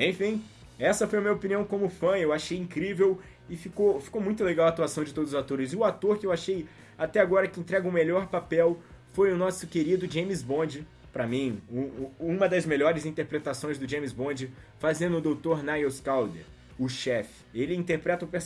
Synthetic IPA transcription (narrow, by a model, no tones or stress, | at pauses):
ẽj̃fĩ | ɛsɐfojɐmĩɲɐopiniɐ̃w̃kõmʊfɐ̃ewaʃejĩkɾivew | ɪfikowfi̥kowmũj̃t̪ʊleɡawat̪uasɐ̃w̃d͡ʒɪt̪od̪ʊzʊzat̪oɾɪzʊat̪oɾkɪewaʃej | at̪ɛaɡɔɾɐkɪẽnt̪ɾɛɡɐʊmeʎɔɾpapɛwfojʊnɔsʊkeɾid̪ʊd͡ʒẽmizbõd͡ʒɪ | pɾɐmĩuũmɐd̪ɐzmeʎɔɾɪzĩnt̪eɾpɾet̪asõj̃zd̪ʊd͡ʒẽmizbõd͡ʒɪ | fazẽnd̪ʊd̪owt̪oɾnajoskawd̪ḛ | ʊʃɛfɪ̥elɪĩt̪eɾpɾɛt̪ɐʊpes